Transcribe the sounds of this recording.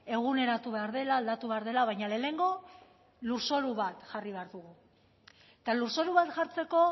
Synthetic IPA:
e̞ɣ̞une̞ɾat̪uβe̞aɾðe̞laːld̪at̪uβe̞aɾð̞e̞laβajɲale̞ːneŋɡo̞ | luɾso̞ɾuβat̪ʝariβeaɾðuɣ̞u | et̪aluɾso̞ɾuβat̪ʝaɾt͡se̞ko̞

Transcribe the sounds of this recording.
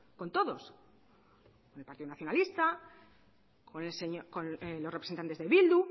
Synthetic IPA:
ko̞nt̪o̞ðo̞s | konelpaɾt̪iðonaθjo̞nalist̪a | koseɲkonlːosrepɾsent̪ant̪e̞zðeβild̪u

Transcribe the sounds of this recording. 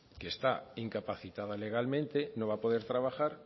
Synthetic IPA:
kest̪aiŋkapaθit̪aðaleɣ̞almẽnt̪enõβapoðeɾt̪ɾaβaxaɾ

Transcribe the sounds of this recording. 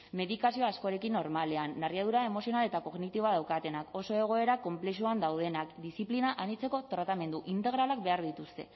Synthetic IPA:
me̞ðikasio̞asko̞ɾe̞kinːo̞ɾmale̞anːarjað̞uɾae̞mo̞sio̞nale̞t̪ako̞ɣnit̪iβaðawkat̪e̞nako̞so̞e̞ɣ̞o̞e̞ɾako̞mple̞suand̪awð̞e̞nakd̪isiplinaʔanit͡se̞ko̞t̪ɾat̪ame̞nd̪uʔint̪e̞ɣ̞ɾalakbe̞aɾðit̪ust̪e̞̰

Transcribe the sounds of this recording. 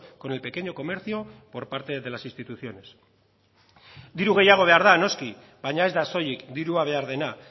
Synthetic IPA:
ko̞nelpe̞ke̞ɲo̞ko̞me̞ɾθjo̞po̞ɾpaɾt̪e̞ðe̞lasinst̪it̪uθjo̞ne̞s | d̪iɾuɣ̞e̞jaɣ̞o̞β̞e̞aɾðano̞ski | baɲae̞zd̪aso̞jikd̪iɾuaβ̞e̞aɾð̞e̞na

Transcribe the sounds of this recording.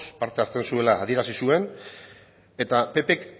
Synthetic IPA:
spaɾt̪e̞aɾt͡sensue̞laːð̞ie̞ɾasisue̞n | e̞t̪ape̞pe̞k

